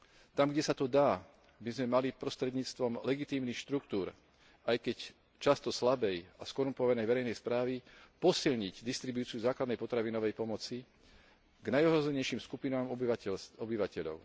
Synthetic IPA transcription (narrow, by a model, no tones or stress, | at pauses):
t̪amɡɟɛsat̪ɔd̪aː | bizmɛmalipɾɔst̪ɾɛd̪ɲiːt͡st̪ʋɔmlɛɡit̪iːmnixʃt̪ɾukt̪uːɾ | ajkɛc | t͡ʃast̪ɔslabɛjaskɔɾumpɔʋanɛjʋɛɾɛjnɛjspɾaːʋipɔsiʎɲiɟd̪ist̪ɾibuːt͡siuzaːklad̪nɛjpɔt̪ɾaʋinɔʋɛjpɔmɔt͡si | ɡnajɔɦɾɔzɛɲɛjʃiːmskupinaːmɔɔbiʋacɛʎɔ̰ʊ